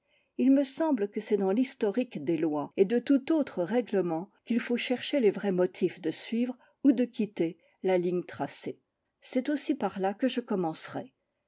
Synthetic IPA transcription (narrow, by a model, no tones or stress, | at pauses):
ilməsɑ̃blkəsɛd̪ɑ̃list̪ɔʁikd̪elwaed̪ət̪ut̪ot̪χəʁɛɡləmɑ̃kʲilfoʃɛʁʃelevʁɛmɔt̪ʰifd̪əsɥivʁ | ud̪əkʲit̪e | laliɲt̪χase | sɛt̪osipaʁlakəʒəkɔmɑ̃sʁɛ